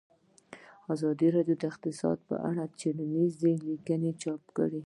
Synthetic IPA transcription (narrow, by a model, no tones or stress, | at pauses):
azɑd̪iɾɑɖjod̪əɪqt̪ɪsɑ̰d̪̚pə̰ʔa̰ɽat͡ʃeɽənizd̪elikənet͡ʃɑpkə̰ɽi